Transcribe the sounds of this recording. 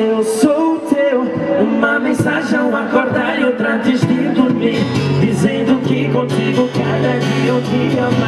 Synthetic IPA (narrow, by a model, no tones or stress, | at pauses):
ewsowt̪ew | ũmɐmẽsaʒẽw̃akoɾd̪aɾot̪ɾat̪ɪzd̪ɪd̪uɾmiɾd̪izẽnd̪ʊkɪkõt̪iɡʊkad̪ɐkiewd̪iɐa